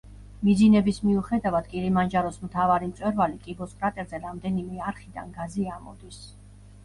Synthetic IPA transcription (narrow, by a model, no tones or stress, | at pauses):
mid̪zinɛbismiuχɛd̪avad̪̥kʼiɾimand͡ʒaɾɔsmt̪ʰavaɾimt̪sʼwɛɾvalikʼibɔskʼɾat̪ʼɛɾzɛɾamd̪ɛnimɛaɾχid̪a̰nɡaziamɔ̰d̪is